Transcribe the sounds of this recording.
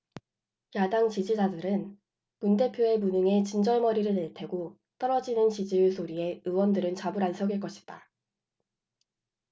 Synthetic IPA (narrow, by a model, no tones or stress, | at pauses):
jadaŋt͡ɕid͡ʑid͡ʑadɯɾɯn | munde̞pʰjoe̞munɯŋe̞t͡ɕind͡ʑʌɭmʌɾiɾɯɭnetʰe̞ɡo | t͈ʌɾʌd͡ʑinɯnt͡ɕid͡ʑiuɭsʰoɾie̞ɯwʌndɯɾɯnt͡ɕabuɾansʰʌɡiɭk͈ʌɕʰi̥t͈a